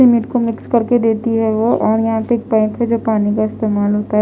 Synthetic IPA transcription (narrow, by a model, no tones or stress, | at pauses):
ɪmɪʈkomɪkskɐɾked̪eːt̪iɦɛʋoʔɔːɾjɐɦãpeeːk̚pãːɪ̃ʈɦɛd͡ʒoːpaːnikaɪst̪eːmaːlɦoːt̪aɦ